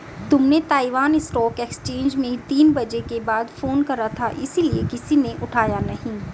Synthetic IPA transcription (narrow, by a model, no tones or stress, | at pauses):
t̪ʊmnet̪aːiʋaːnɪsʈɔːkeːkst͡ʃẽːnd͡ʒmẽt̪iːnbɐd͡ʒekebaːd̪foːnkɐɾat̪ʰaʔɪsiliekɪsinẽʔʊʈʰaːjanɐɦĩː